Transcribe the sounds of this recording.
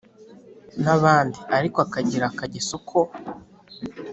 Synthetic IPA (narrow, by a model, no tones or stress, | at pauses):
naβaːndiaɾikoakaɟiɾakaɟesokʰo